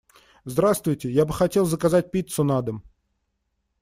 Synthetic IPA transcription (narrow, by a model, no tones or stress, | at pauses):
zd̪ɾast̪vʊjtʲɪjabɨxɐtʲe̞lˠzəkazat̚ʲpʲit̪sʊnad̪əm